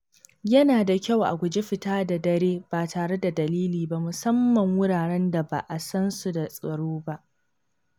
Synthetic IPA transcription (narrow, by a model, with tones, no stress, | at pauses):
jɐ˦naː˨da˨kʲa˦˨wʔa̰˨kʷu˨d͡ʒe˦ɸɪ˨taː˦da˨dɐ˦ɾeː˦b̥aː˨taː˨ɽe˦da˨dɐ˨liː˦liː˨ba˦mʊ˨sɐ˦mːɐ˨ŋwʊ˦ɽaː˨ɽɛ˦nda˨ba̰˨ʔa˨sɐ˦nsu˨da˨sʼɐ˨ɽoː˦ba˦ʔ